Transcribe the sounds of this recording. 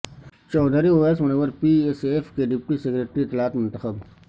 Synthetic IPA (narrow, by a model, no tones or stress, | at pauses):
t͡ʃɔːd̪ʱəɾioːeːsmɐñeːʋəɾpiːesefkeɖɪpʈisekɾeːʈɾiɪt̪ːɪlaːt̪mʊ̃nt̪əxəb